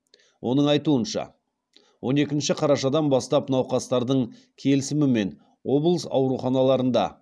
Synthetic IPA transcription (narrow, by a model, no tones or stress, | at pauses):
wʔo̞nəɴɑjt̪uənʃɑ̰ | wʔo̞ne̞kʲɪnʃɪqʰɑɾɑʃɑd̪ɑnbɑst̪ɑpnɑwqɑst̪ɑɾd̪əɴ | kʲʰe̞lɪsɪmɪme̞n | wo̞blˠəsɑ̰wɾuχɑnɑlˠɑɾənd̪ɑ̰